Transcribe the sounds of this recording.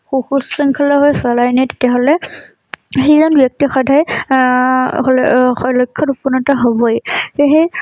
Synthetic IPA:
xuxussiŋkʰalɔɦojsalajnajte̥tijaɦolɛ | ɦejzɔnbjɔk̚tixɔdʱaj | ɦolxɔjlɔjkʰːɔtupɔnɔtaɦobɔjxeɦe

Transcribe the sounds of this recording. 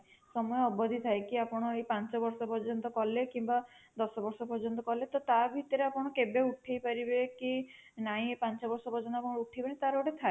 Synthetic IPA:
sɔmɔjɔɔbɔd̪ʱit̪ʰajkiapɔɽ̃ɔejpant͡ʃɔbɔɾsɔpɔɾd͡ʒɔnt̪ɔkɔlekimba | d̪ɔsɔbɔɾsɔpɔɾd͡ʒɔnt̪ɔkɔlet̪ɔt̪abʱit̪ɔɾeapɔɽ̃ɔkebeuʈʰejpaɾibekinaɦĩepant͡ʃɔbɔɾsɔpɔɾd͡ʒɔnt̪ɔpɔɽ̃uʈʰepaɽ̃ĩt̪aɾoɽet̪ʰae

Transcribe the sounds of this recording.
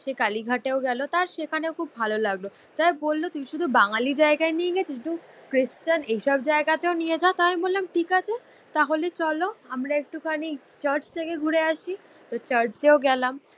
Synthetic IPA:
ʃekaliɡʱaʈeoɡɛlot̪aɾʃekʰaneokʰubbʱalolaɡlo | t̪ajbolːot̪umiʃud̪ʱubaŋalid͡ʑaeɡaenieɡɛt͡ɕʰeʈukɾist͡ɕanejʃɔbd͡ʑaeɡat̪eonijed͡ʑaot̪aɦamibollamʈikat͡ɕʰe | t̪aɦolet͡ɕɔloamɾaek̚ʈukʰanit͡ɕəɾt͡ɕt̪ʰekeɡʱuɾeaʃi | t̪ot͡ɕəɾt͡ɕeoɡɛlam

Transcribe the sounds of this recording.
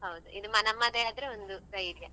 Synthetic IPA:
ɦɐwd̪uʔid̪umɐnɐmːad̪eaːd̪ɐɾeond̪usɐjɾjɐ

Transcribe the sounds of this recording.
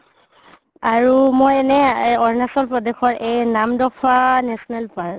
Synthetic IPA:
aɹumojɛnɛɔɹnasɔlpɹɔdexɔɹejnamdɔpʰanɛsɔnɛlpaɹ

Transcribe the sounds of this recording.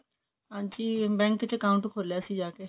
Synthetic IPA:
ɦãːɲd͡ʒiːbɛ̃ːŋkt͡ʃkaʊ̃ɳʈkʰoːljaːsid͡ʒaːkeː

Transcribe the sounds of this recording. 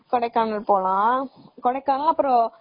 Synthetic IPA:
kɔɽɐɪkːaːnɐlpoːlãːkɔɽɐɪkːaːnɐɐpːɯɾɔ̃

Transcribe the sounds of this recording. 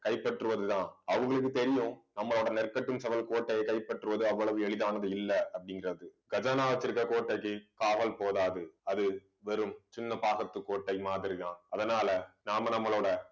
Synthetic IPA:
kɐɪpːɐʈrɯʋɐðɯt̪ãːʔɐʋɐŋɡɐɭɯk̬ːɯt̪ɛɾɪjʊ̃nɐmːɐɭoːɽɐnɛrkɐʈːɯmsɛʋɐlkoːʈːɐjɐɪkːɐɪpːɐʈːrɯʋɐðɯɐʋːɐɭɐʋɯɛɭɪðaːnɐðɯɪlːɐɐpːɐɽɪŋɡɪrɐðɯɡɐd͡ʒaːnaːʋɐt͡ʃːɪɾkːɐkoːʈːɐɪkːɯkaːʋɐlpoːðaːðɯɐðɯ | ʋɛɾɯmsʊnːɐpaːɣɐt̪ːɯkːoːʈːɐɪmaːðɪɾiðãːnɐðɐnaːlɐnaːmɐnɐmːɐɭoːɽɐ

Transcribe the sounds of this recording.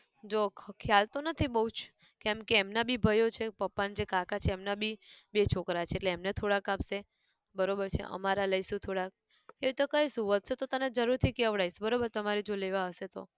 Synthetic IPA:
d͡ʒokʰjalt̪onət̪ʰibəɦut͡ʃʰ | kɛ̃mkeːmnabʱibʱəjot͡ʃʰepəpːand͡ʒekakʰat͡ʃʰeːmnabʱibet͡ʃʰokɾat͡ʃʰeːʈleːmnet̪ʰoɽakapse | bəɾobəɾt͡ʃʰḛə̰maɾaləjsũt̪ʰoɽak̚ | eʋt̪okəjsũʋəd̪set̪ot̪əned͡ʒəɾuɾt̪ʰikeəʋɽajsbəɾobəɾt̪əmaɾed͡ʒoleʋaɦəʃet̪o̰

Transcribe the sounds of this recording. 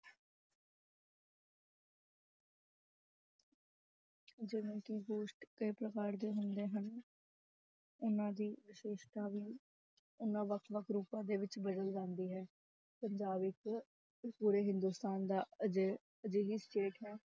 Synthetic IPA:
d͡ʒɪʋẽːkɪɡoːʃʈkeːpɾəkaːɾd̪eːɦʊnd̪eːɦən | ʊnãːd̪iːʋɪʃeːʃt̪aːʋiː | ʊnãːʋəkʰʋəkʰɾuːpãːd̪eːʋɪt͡ʃbəd̪əld͡ʒãːnd̪iːɦɛː | pəɲd͡ʒaːbɪk | puːɾeːɦɪnd̪uːst̪aːnd̪aːəd͡ʒeː | əd͡ʒeːɦiːsʈeːʈɦɛː

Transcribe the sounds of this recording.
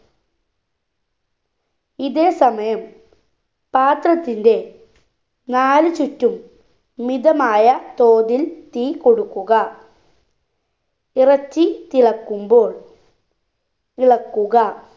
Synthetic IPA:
iðeːsɐmɐjɐm | paːt̪rɐt̪ːinde̞ | naːlɨt͡ɕutːumː | iðɐmaːjɐt̪o̞ːðilt̪iːko̞ɽukːuɣɐ | irɐt͡ɕːit̪iɭɐkːumbo̞ːɭ | iɭɐkːuɣɐ

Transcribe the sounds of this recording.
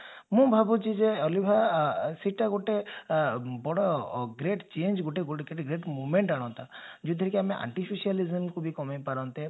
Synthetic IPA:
mũbʱabut͡ʃʰid͡ʒeɔlibʱasiʈaɡoʈe | bɔɽɔɡɾeʈt͡ʃend͡ʒɡoʈeɡoeʈɡɾeʈmumeɳʈaɽ̃ɔ̃nt̪ad͡ʒut̪ʰɔɾikeamẽʔa̰ɳʈipʰisializəmkubʱikɔmajpaɾɔnt̪e

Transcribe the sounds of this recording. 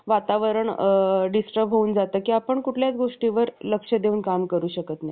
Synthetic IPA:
ʋat̪aʋəɾəɳɖisʈəbɦouːnd͡zat̪əːkiːapəɳkuʈʰljat͡sɡoʂʈiʋəɾləkʂəd̪euːnkamkəɾuːɕəkət̪naj

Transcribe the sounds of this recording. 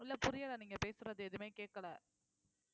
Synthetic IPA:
ʊlːɐpʊɾɪjɐlɐniːŋɡɐpeːsɯɾɐðɯɛðɯmeːkeːʈ̚kɐɭɛː

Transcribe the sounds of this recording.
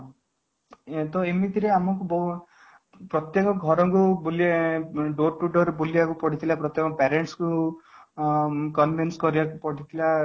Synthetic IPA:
t̪ɔemit̪iɾeamɔkubɔ | pɾɔt̪jekɔɡʱɔɾɔŋkuboliɖoɾʈuʈɔɾeboliakupɔɽ̤ʰit̪ʰilapɾɔt̪jekɔpɛɾeɳʈsku | kɔnbinskɔɾiakupɔɽit̪ʰila

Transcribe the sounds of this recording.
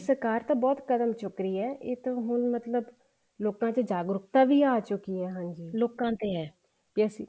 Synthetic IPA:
səɾkaːɾt̪ãːbɔːt̪kəd̪əmt͡ʃʊkɾiːɛːʔɪ̰t̪ːɦʊnmət̪ləb | loːkãːt͡ʃəd͡ʒaːɡɾʊkt̪ãːʋiːaːt͡ʃʊkiːɛːɦãːɲd͡ʒiːloːkãːt̪eːɛː | pjəsiː

